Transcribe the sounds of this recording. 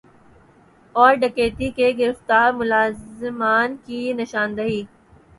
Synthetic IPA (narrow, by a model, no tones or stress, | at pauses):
ɔːɾɖɐkeːt̪ikeɡɪɾɪft̪aːɾmʊlaːzɪmaːnkinɐʃaːnd̪ɐɦiː